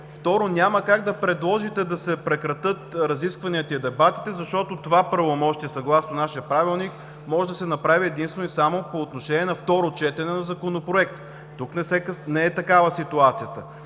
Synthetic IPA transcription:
ft̪ɔɾonʲaməkaɡd̪ɐpɾɛd̪lˠɔʒit̪ɛd̪ɐsɛpɾɛkɾɐt̪ɤt̪ɾɐziskvɐniət̪ɐid̪ɛbat̪i̥t̪ɛzɐʃt̪ɔt̪ot̪ovapɾɐvomɔʃt̪iɛsɐɡlˠasnonaʃijəpɾavilˠnik | mɔʒɛd̪ɐsɛnɐpɾaviɛd̪inst̪vɛnoisamopoːt̪noʃɛnʲiɛnɐft̪ɔɾot͡ʃɛt̪ɛnɛnɐzɐkonopɾoɛkt̪ | t̪uknɛsɛknɛɛt̪ɐkavəsit̪uat̪sijət̪ə

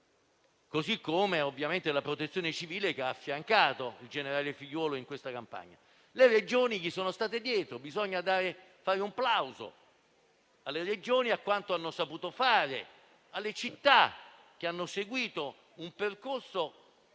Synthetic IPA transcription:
kozikːomeovːjament̪elapɾot̪et̪sːjoːnet͡ʃiviːlekeaːfːjaŋkaːt̪oild͡ʒeneɾaːlefiʎːwɔːloiŋkwest̪akampa̰ɲːa̰ | lered͡ʒoːnik̟isːoːnost̪aːt̪ed̪jɛːt̪ɾobizɔɲːad̪aːɾe | faːɾeumplawzo̰ | alːeɾed͡ʒoːniakːwant̪oanːosapuːt̪ofaːɾe | alːet͡ʃit̪ːa | k̟eanːoseɡwiːt̪o | umperkorso

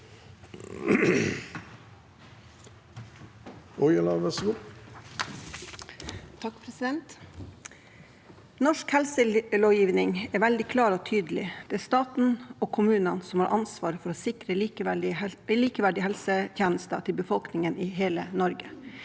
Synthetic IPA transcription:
ɔjɑlɑʋæsɡu | t̪ʰɑkpʰɾɛsɪd̪ɛnt̪ | nɔʂkhɛlsəloːjiːʋnɪŋɛːʋɛld̪ɪkʰlɑːɾoːt̪ʰyːd̪əlɪd̪̥ɛæst̪ɑːt̪n̩oːkʰʊmʉːnənsɔmhɑːɾʔɑnsʋɑːɾəfɔɾoːsɪkɾəiː | liːkəʋæɖɪhɛlsət̪ʰjɛːnəst̪ɑt̪ʰɪlbəfɔlknɪŋənʔiːɦeːlənɔɾɡə

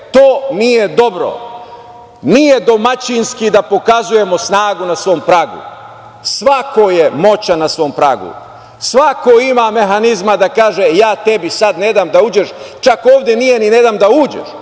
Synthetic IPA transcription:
t̪oːnije̞d̪o̞bɾo̰ | nije̞d̪o̞mat͡ɕinskid̪apo̞kazuje̞mo̞snaːɡunasʋo̞ːmpɾaːɡṵ | sʋakoje̞mo̞t͡ɕanasʋo̞ːmpɾa̰ːɡṵ | sʋakoimame̞ɦanizmad̪akaːʒejaːt̪e̞bisad̪ne̞d̪aːmd̪auːd͡ʒeʃt͡ʃakoːʋd̪ʲjenije̞nined̪aːmd̪auːd͡ʒḛʃ

